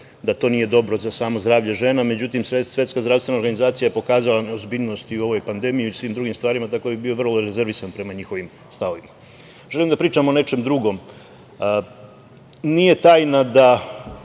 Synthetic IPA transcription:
d̪at̪o̞ːnije̞d̪o̞bɾo̞zasaːmo̞zd̪ɾaːʋʎeʒe̞ːname̞d͡ʑut̪imsesʋʲe̞t̪skazd̪ɾavst̪ʋe̞naoɾɡanizaːt̪sijajepo̞kaːzalˠanozbiʎno̞st̪iuo̞ʋo̞jpand̪e̞mijuisʋiːmd̪ɾuɡimst̪ʋaːɾimat̪akobibio̞ʋr̩loɾeze̞ɾʋisanpɾe̞maɲixo̞ʋim | st̪ao̞ʋima | ʒe̞limd̪apɾiːt͡ʃamo̞ne̞t͡ʃe̞md̪ɾuɡo̞m | nije̞t̪aːjnad̪a

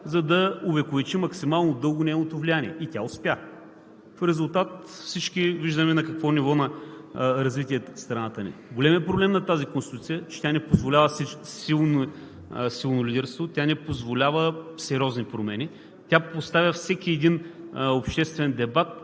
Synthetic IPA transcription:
zɐd̪ɐʊvɛkʊvɛt͡ʃimɐksimalˠnod̪ɤlˠɡʊnɛnot̪ovlijaniɛit̪ʲaʊspʲja | fɾɛzʊlˠt̪at̪ | fsit͡ʃkiviʒd̪əmɛnɐkɐkvɔnivɔnɐ | ɾɐzvit̪ʲiɛst̪ɾɐnat̪ənḭɡolɛmiəpɾoblɛmnɐt̪azikonst̪it̪ut̪sijət͡ʃɛ̥t̪ʲjanɛpozvolʲavəssilˠn | silˠnolʲid̪ɛɾst̪vot̪ʲanɛpozvolʲavəsɛɾʲɔznipɾomɛni | t̪ʲjapost̪avʲəfsɛkiɛd̪inopʃt̪ɛst̪vɛnd̪ɛbat̪̚

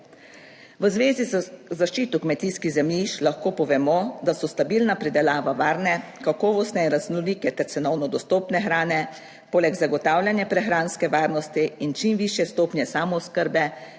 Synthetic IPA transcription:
ʋəzʋeːzizzaʃt͡ʃiːt̪ukmɛt̪iːskiɣzɛmjiʃlaxkoːpɔʋɛmɔd̪asɔst̪abiːlnapɾid̪ɛlaːʋaʋaːɾnɛkakɔːʋɔst̪nɛinɾaznɔliːkɛt̪ɛɾt̪sɛnɔwnɔd̪ɔst̪oːpnɛxɾaːnɛ | poːlɛɡzaɡɔt̪aːwlʲjanjɛpɾɛxɾaːnskɛʋaːɾnɔst̪iint͡ʃimʋiːʃjɛst̪oːpnjɛsaːmɔskəɾbɛ

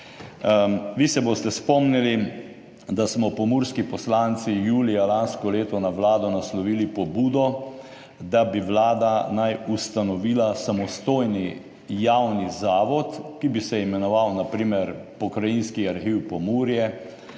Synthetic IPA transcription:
ʋisɛboːst̪ɛspɔmnili | d̪asmɔpɔmuɾskipɔslant̪sijuːlijalanskɔleːt̪ɔnaʋlaːd̪ɔnaslɔʋiːlipɔbuːd̪ɔ | d̪abiʋlaːd̪anajust̪anɔʋiːlasamɔst̪oːjni | jawnizaːʋɔt̪kibisɛimɛnɔʋawnapɾiːmɛɾpɔkɾajinskiaɾxiwpɔmuːɾjɛ

